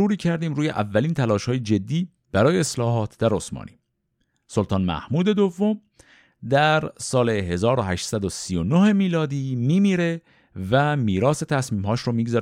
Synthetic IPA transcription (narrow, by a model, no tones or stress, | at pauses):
uːɾiːcʰæɾd̪iːmɾuːje̞̰ʔævːæliːnt̪ʰælɒːʃhɒːjed͡ʒe̞d̪ːiː | b̥æɾɒːjeːslɒːɦɒːt̪ʰd̪æɾo̞smɒ̰ːnʔḭː | solt̪ʰɒːnmæ̰hmuːd̪e̞d̪ovːo̞m | d̪æɾsɒːle̞ɦe̞zɒːɾoɦæʃtsæd̪o̞siːjo̞nohe̞miːlɒːd̪iːmiːmiːɾe̞ | væmiːɾɒːse̞t̪ʰæsmiːmhɒːʃɾomiːɡzɒ